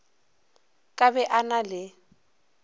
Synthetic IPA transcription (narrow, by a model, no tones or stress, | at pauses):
kʼabɛʔanalɪ